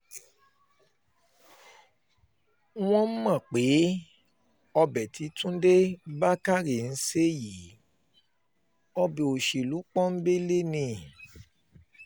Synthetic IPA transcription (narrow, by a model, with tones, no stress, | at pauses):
w̃ɔ̃˦m̩˦mã˦˨k͡pe˨˦ | ɔ˧bɛ˨tʰi˨˦tũ˦de˦ba˦ka˦ɾe˨n̩˨˦se˦ji˨˦ | ɔ˧bi˨o˨ʃe˨lu˨˦k͡pɔ̃˦n̩˦be˦le˦nĩ˧˨